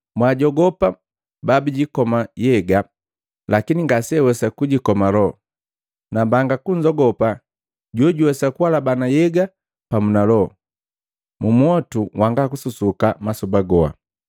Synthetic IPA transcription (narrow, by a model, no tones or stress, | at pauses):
mwaɟɔɡɔpa | babiɟikɔmajɛɡa | lakiniŋɡasɛwɛsakuɟikɔmalɔ | nabaŋɡakuɲd͡ʒɔɡɔpa | ɟɔɟuwɛsakuwalabanajɛɡa | pamunalɔ | mumuɔtuwaŋɡakususukamasubaɡɔa̰